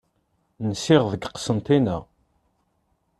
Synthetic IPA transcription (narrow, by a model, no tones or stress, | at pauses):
nsɪʁðəɡqə̥sənt̪inə